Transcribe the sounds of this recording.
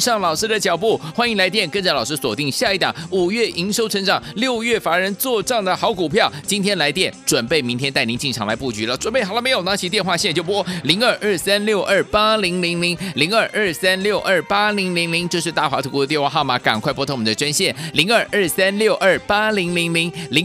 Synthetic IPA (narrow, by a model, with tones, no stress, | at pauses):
ʂɑ˥˩ŋlɑ˨˩ʊʂɻ̩˥d̪ə˨t͡ɕjɑ˨˩ʊpu˥˩xwa˥ni˧˥ŋla˧ɪt̪jɛ˥˩nkə˥˧nt͡sa˥˩ɪlɑ˨˩ʊʂɻ̩˥swɔ˨˩t̪i˥˧ŋɕja˥˧i˥˩t̪ɑ˨˩˦ŋu˨˩ɥɛ˥˩ʔi˧˥ŋʂo˥ʊʈ͡ʂʰə˧˥ŋʈ͡ʂɑ˨˩˦ŋljo˥˧ʊɥɛ˥˩fa˧˥ɻə˧˥nt͡swɔ˥˧ʈ͡ʂɑ˥˩ŋd̪ə˩xɑ˧˥ʊku˨˩pʰjɑ˥˩ʊt͡ɕi˥nt̪ʰjɛ˥nla˧˥ɪt̪jɛ˥˩nʈ͡ʂwə˨˩npe˥˩ɪmi˧˥ŋt̪ʰjɛ˥nt̪a˥˩ɪni˧˥nt͡ɕi˥˩nʈ͡ʂʰŋla˧˥ɪpu˥˩t͡ɕy˧˥lə˨ʈ͡ʂwə˨˩npe˥ɪxɑ˨˩lə˦me˧˥ɪjo˨˩na˥ŋt͡ɕʰi˧˥t̪jɛ˥˧nxwa˥˧ɕɛ˥˩˧t͡ɕjo˥˩˧kwɔ˥˧li˧˥ŋə˞˥˧ʔə˥˩sa˥nljo˥˧ʊʔə˥˩pa˥li˧˥ŋli˧˥ŋli˧˥ŋli˧˥ŋə˞˥˧ʔə˥˩sa˥nljo˥˧ʊʔə˞˥˩pa˥li˧˥ŋli˧˥ŋli˧˥ŋt͡ɕjo˥˧ʊʂ̬ɻ̩˥˧t̪a˥˩wa˧˥t̪ʰu˧˥k̪t̪̬jɛ˥˧nxwa˥˧xɑ˥˩ʊma˨˩ka̰˨˩nkwa˥ɪpwɔ˥t̪ʰo˧˥˩mu˨˩d̪ə˧ʈ͡ʂwa˥nɕjɛ˥˩nli˧˥ŋə˞˥˩ʔə˞˥˩sa˥nljo˥˧ʊʔə˞˥˩pa˥li˧˥ŋli˧˥ŋli˧˥ŋli˧˥